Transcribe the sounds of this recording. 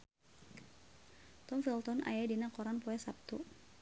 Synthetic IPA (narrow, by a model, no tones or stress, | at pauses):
t̪ɔmfilt̪ɔna̰jadinakɔɾanpɔɛsap̚t̪u